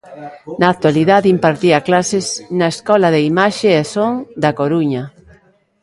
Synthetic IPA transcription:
naːk̚t̪waliðaðimpaɾt̪iɐklasɪsnɐeskɔlɐðeimaʃeɛsoŋd̪ɐkoɾuɲɐ

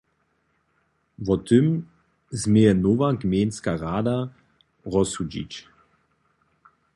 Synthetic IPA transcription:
vɔt̪ʏm | zmʲejɛnovaɡmʲenskaʁaːd̪a | ʁɔsud͡ʑḭt͡ɕ

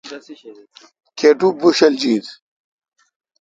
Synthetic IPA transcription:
kʰeʈubuɕɐld͡ʑiːd̪

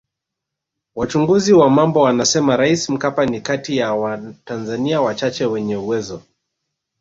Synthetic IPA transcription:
wat͡ʃuŋɡuziwamambɔwanasɛmaɾaisim̩kapanikatijawatanzaniawat͡ʃat͡ʃɛwɛɲɛuwɛzɔ

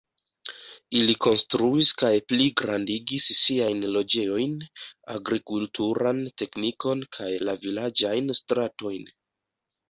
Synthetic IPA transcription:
iliko̞nstɾuiskajpliɡɾandiɡisːiajnlo̞d͡ʒe̞o̞jna̰ɡɾikultʰuɾante̞kniko̞nkʰajlavilad͡ʒajnstɾato̞jn

